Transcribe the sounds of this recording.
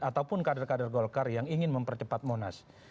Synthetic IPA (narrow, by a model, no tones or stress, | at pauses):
at̪aupʊnkadarkadarɡolkarjaŋiŋɪnməmpərt͡ʃəpat̪̚mona̰s